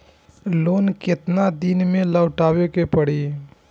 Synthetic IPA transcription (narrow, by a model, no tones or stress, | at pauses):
loːnkɪt̪nad̪inmẽləːʊʈaːwekepəɽiː